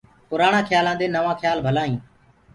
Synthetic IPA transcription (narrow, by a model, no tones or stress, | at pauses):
pʊɾaːɳãːkʰjaːlãːd̪eːnəʋãːkʰjaːlbʱəlaːĩː